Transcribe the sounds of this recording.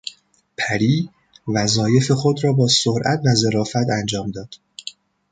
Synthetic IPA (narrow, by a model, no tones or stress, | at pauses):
pʰæɾiː | væzɒːje̞fe̞xo̞d̪ɾɒːbɒːsoɾʔæ̰t̪ʰvæze̞ɾɒːfæt̪ʰænd͡ʒɒːmd̪ɒːd̪̥